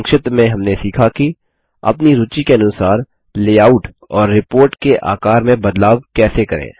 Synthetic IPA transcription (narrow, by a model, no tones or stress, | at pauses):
ŋkʃɪt̪mẽɦɐmnesiːkʰaki | ɐ̰pniɾʊt͡ʃikeɐnʊsaːɾ | leːaːʊʈ | ɔːɾːɪpoːɾʈkeʔa̰ːkaːɾmẽbɐd̪laːʋkɛːsekɐɾḛ̃ː